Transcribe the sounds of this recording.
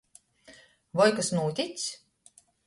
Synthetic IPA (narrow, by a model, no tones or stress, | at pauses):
vɔjkasnuːt̪ʲit̪sʲ